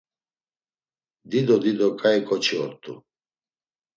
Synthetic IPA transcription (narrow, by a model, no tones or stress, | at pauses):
d̪id̪ɔd̪id̪ɔkʼaɛkʼɔt͡ʃʰiɔɾt̪ʼṵ